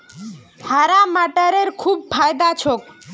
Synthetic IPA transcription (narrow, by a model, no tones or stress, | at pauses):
haɾamaʈəɾeɾkʰub̚pʰajd̪at͡ɕʰok